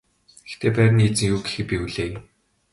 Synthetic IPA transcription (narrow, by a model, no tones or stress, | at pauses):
ɡ̥ext̪ʰeːpæːɾ̆ʲniːt͡sɘ̆ŋjuːɡe̥xɘ̆pʲiuɮeːj